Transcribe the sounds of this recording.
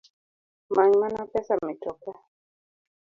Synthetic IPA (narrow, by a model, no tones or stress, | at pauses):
maɲmanapɛsamitɔka